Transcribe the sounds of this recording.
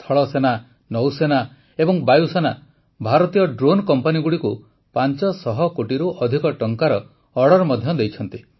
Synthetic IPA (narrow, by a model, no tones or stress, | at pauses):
t̪ʰɔɭɔsena | nɔwsena | ebɔŋbajusena | bʱaɾɔt̪ijɔɖɾonkɔmpaniɡuɽiku | pant͡ʃɔsɔɦɔkoʈiɾuʔɔd̪ʱikɔʈɔŋkaɾɔː | ɽɔɾmɔd̪ʱjɔd̪ejt͡ʃʰɔnt̪i